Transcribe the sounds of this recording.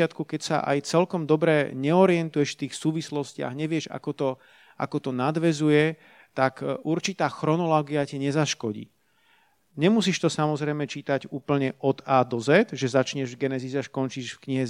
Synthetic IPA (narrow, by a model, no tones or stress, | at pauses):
at̪kukɛcsa̰ʔa̰jt͡sɛlkɔmd̪ɔbɾɛɲɛɔɾɪɛnt̪ujɛʃft̪iːxsuːʋislɔscɪa̰ɣɲɛʋɪɛʒa̰kɔt̪ɔ | ʔa̰kɔt̪ɔnad̪ʋɛzujɛ | t̪akʔuɾt͡ʃit̪aːxɾɔnɔlɔːɡiacɛɲɛzaʃkɔɟḭː | ɲɛmusiːʃt̪ɔsamɔzɾɛjmɛt͡ʃiːt̪aɟuːpl̩ɲɛʔɔd̪aːd̪ɔzɛt̪ʒɛzat͡ʃɲɛʒvɡɛnɛzizaʃkɔnt͡ʃiʃfkɲiɦɛ